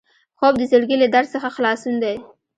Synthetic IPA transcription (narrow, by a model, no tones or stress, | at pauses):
xobd̪əzəɽɡilad̪aɾsəxaxlɑsund̪aj